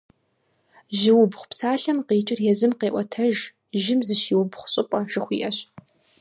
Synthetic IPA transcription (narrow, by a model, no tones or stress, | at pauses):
ʒɪwʊbχʷpsaːɬɐmqeːt͡ʃʼɪrjɛzɨmqeːʔʷɔtʰɐʒ | ʒɪmzɨʃiːwʊbχʷʊɕʼɪpʼɐʒɨχʷiːʔɐɕ